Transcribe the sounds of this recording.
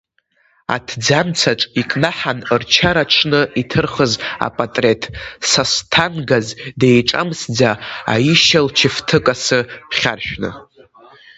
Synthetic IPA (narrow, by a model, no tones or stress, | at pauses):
a̰tʰd͡zamt͡sʰaʈ͡ʂʼikʼnaħanrt͡ʃʰaɾaʈ͡ʂʰnɨitʰɨrχəza̰pʼatʼre̞tʰsastʰanɡazdejʈ͡ʂʼa̰msd͡zaa̰jiʃalt͡ʃʰɪftʰɨkʼasɨχʲa̰rʃᶣnɨ̰